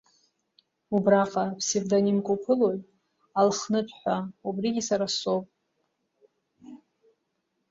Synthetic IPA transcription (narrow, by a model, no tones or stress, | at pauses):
ubraqʼapʰsevdanimkʷʼopʰɨlojtʼ | alχnɨpʷʰʼħʷaubriɡʲisaɾasowpʼ